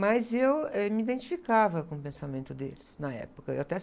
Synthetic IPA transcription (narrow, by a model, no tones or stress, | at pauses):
mɐzewɛmid̪ẽnt͡ʃi̥fikavɐkõʊpẽsamẽnt̪ʊd̪ḛlɪsnɐɛ̰pʊkɐḛwat̪ɛ